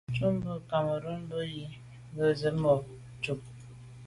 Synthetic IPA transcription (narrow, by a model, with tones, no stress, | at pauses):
t͡ʃu˦m˦bə˦ka˨mə˨ɾə˦m̩˦bə˦ji˦ | ɡə˦zə˨˦mɔ˨ | t͡ʃu˨k̚